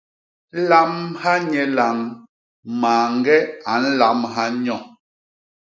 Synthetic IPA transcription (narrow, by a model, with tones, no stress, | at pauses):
la˦mha˦ɲɛ˨la˨ŋ | maː˨ŋ˦ɡɛ˦a˨˦n̩˦la˨˦mɦa˦ɲɔ˦˨